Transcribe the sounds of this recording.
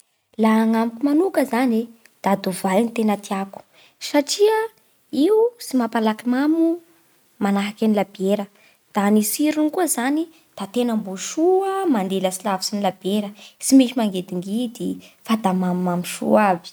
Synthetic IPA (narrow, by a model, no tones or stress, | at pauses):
laaŋamkumanukəzane | d̪̥ad̪uvajnit̪enət̪iaku̥ | saʈ͡ʂiə | iwusimapalakimamu | manaɦakʲanilabeɾə | d̪̥anisiɾunikuzani | d̪̥at̪enambuʃuəmand̪eləsilavisinilabeɾəsimit͡ʃimaŋɡed̪iŋɡid̪ifad̪amamumamuʃṵavi̥